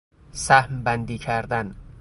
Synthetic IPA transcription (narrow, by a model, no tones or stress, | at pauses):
sæhmbænd̪iːcʰæɾd̪æn